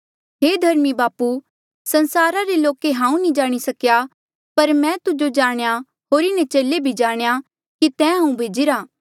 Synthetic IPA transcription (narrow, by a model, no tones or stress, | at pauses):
ɦeːd̪ʱɐɾmibaːpu | sɐ̃nsaːɾaɾeloːkeɦãːũnĩd͡ʒaːɽ̃isɐkja | pɐɾmɛ̃ːt̪ʊd͡ʒod͡ʒaːɽ̃ja | ɦoːɾɪnɛ̃t͡ʃeːlebʱid͡ʒaːɽ̃eja | kit̪ɛ̃ːɦãːũbʱeːd͡ʒiɾaː